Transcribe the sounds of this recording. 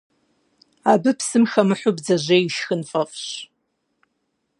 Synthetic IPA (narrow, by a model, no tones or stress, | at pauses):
abɨpʰsɨmxɐmɨħʷʊbd͡zɐʒʷejiʃxɨnfʼɐfɕ